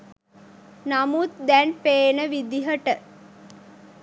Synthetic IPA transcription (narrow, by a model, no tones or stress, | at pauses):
namut̪d̪ɛnpeːnəʋid̪iɦəʈə